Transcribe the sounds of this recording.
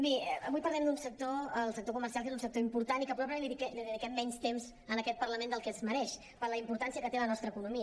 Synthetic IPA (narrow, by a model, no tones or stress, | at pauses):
miəβujpəɾlɛmnd̪unsək̚t̪oəlˠsək̚t̪okuməɾs̬ialˠkezunsək̚t̪oimpuɾt̪anikəpɾuwapləeliikɛliðəðikɛmːɛɲst̪emz | ənəkɛt̪̚pərləmẽnd̪əlˠkɛzməɾɛʃ | pəɾləimpuɾt̪ansiəkət̪elənɔst̪ɾəːkunumiə